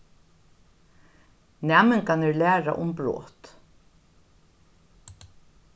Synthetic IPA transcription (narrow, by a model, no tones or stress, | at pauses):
nɛːməŋkʰanɛɹlæːɹa̰ʔʊmbɹɔ̰ːt̪